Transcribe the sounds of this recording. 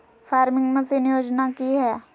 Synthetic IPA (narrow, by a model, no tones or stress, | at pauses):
fʰaːɾmɪ̃ŋɡmẽsinjoːd͡ʒnakiɦɛː